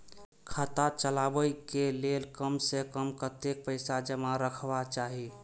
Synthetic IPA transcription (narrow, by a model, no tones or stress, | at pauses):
kʰət̪at͡ʃəlabəikelelkəmsekəmkət̪ek̚pəɪsad͡ʒəmaɾəkʰbat͡ʃaɦi